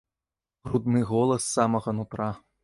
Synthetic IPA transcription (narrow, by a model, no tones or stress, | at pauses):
rud̪nɨɣɔlˠɐsːamɐɣɐnut̪rɑ